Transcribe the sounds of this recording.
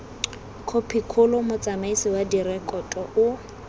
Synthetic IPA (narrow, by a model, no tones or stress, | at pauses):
kʰopʰikʰʊlɔmʊt͡sʼamaisɪwadirɛkʼɔtʼɔʔʊ